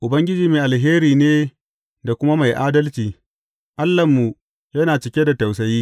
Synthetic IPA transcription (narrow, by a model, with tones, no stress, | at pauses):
ʔʊ˨bɐ˦ŋɡʲɪ˦d͡ʒiː˦meː˨ʔa˨lɦeː˦ɾiː˨neː˦ | da˨kʷʊ˦ma˦ma˨jʔaː˦dɐ˦lt͡ʃiː˨ | ʔa˦lːɐ˨mːu˨ | jɐ˦naː˨t͡ʃɪ˦kʲe˦da˨ta˨wsɐ˨˦jiː˦